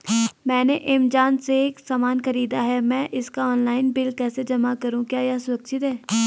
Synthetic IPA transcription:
mɛ̃ːneʔɪmd͡ʒaːnseːksaːmaːnkəɾiːd̪aɦɛmɛ̃ːʔɪskaɔːnlaːɪnbɪlkɛːsed͡ʒɐmakəɾũːkjaːjaːsʊɾəkʃɪt̪ɦɛː

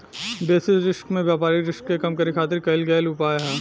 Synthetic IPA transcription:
beːsɪzɾɪʃkmẽʋjaːpaːɾiɾɪʃkːekɐmkɐɾikʰaːt̪ɪɾkɐɪlɡɛːlʊpaːjɦɛː

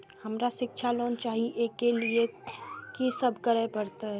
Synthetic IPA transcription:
həmɾaʃɪkʃʰaloːnt͡ʃaːɦiʔeːkeliekisəbʱkəɾepəɾt̪aɦɛ

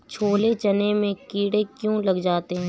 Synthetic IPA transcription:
t͡ʃʰoːlet͡ʃɐnemẽkiːɽekjũːlɐɡd͡ʒaːt̪eɦɛ̃ː

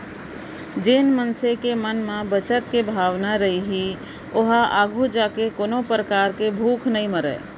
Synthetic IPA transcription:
d͡ʒeːnmənsekemənmãbət͡ʃət̪kebʱaːʋnaɾɐɦiɦi | oɦaʔaːɡʱud͡ʒaːkekoːnõpɾəkaːɾkebʱuːkʰnɐɦĩməɾə̰ː

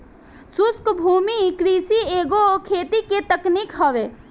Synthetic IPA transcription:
suskbʱumikɾisieɡokʰet̪iket̪əknikɦəʋe

